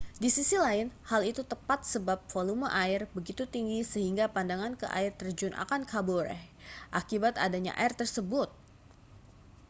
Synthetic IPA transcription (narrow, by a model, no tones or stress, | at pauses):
disisilaɪnhalit̪ut̪əpat̪̚səbap̚foluməʔaɪrbəɡit̪ut̪iŋɡisəɦiŋɡapandaŋankə̰ʔa̰ɪrt̪ərd͡ʒʊnʔa̰kankʰaboɾɛ̰hʔakibat̪a̰daɲa̰ʔa̰ɪrt̪ərsəbʊt̪̚